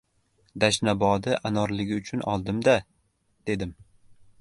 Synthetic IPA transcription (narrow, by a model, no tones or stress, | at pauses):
d̪aʃnabɒd̪ɪʔanɒɾlɪɡʲɪʊt͡ʃʰʊnɒ̰lˠd̪ɪmd̪a | d̪̥e̞d̪ɪm